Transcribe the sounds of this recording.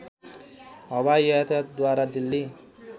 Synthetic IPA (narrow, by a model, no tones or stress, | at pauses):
ɦʌbajʌt̪d̪waɾad̪ilːi